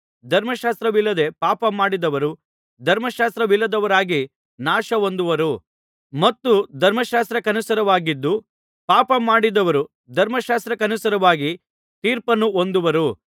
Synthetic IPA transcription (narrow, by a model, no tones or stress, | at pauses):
d̪ʱɐɾmɐʃaːst̪ɾɐʋilːɐd̪e̞paːpɐmaːɽid̪ɐʋɐɾu | d̪ʱɐɾmɐʃaːst̪ɾɐʋilːɐd̪ɐʋɐɾaːɡi | naːʃɐo̞nd̪uʋɐɾu | mɐt̪ːud̪ʱɐɾmɐʃaːst̪ɾɐkɐnusɐɾɐʋaːɡid̪ːu | paːpɐmaːɽid̪ɐʋɐɾu | d̪ʱɐɾmɐʃaːst̪ɾɐkɐnusɐɾɐʋaːɡi | t̪iːɾpɐnːuond̪uʋɐɾu